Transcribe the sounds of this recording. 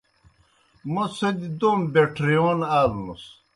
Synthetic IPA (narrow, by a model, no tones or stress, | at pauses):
mosɐd̪id̪ombeʈʰɾioːnaːlnus